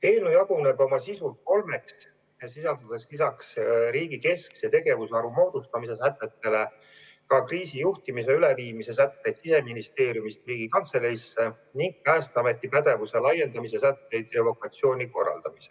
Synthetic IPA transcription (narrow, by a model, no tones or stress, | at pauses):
eːnujɑɡ̥une̞bo̞mɑsisut̪̚ko̞lme̞ks | esisɑld̪ɑd̪̥eslisɑksriːɡike̞sksjɑt̪e̞ɡe̞vusɑɾumo̞ːd̪̥ust̪ɑmise̞sæt̪ːˑe̞t̪ːe̞le̞ | kɑkriːsijuht̪imise̞yleviːmise̞sæt̪ːe̞jd̪̥sise̞minist̪e̞ːɾjumist̪riːɡ̥ikɑnt̪se̞leisːe | niŋɡ̥̚pæːst̪ɑme̞t̪ˑːipæd̪e̞vuse̞lɑje̞nd̪ɑmise̞sæt̪ːe̞jd̪̥jɑlo̞kɑt̪sio̞ːniko̞rːɑ̰ld̪̥ɑmise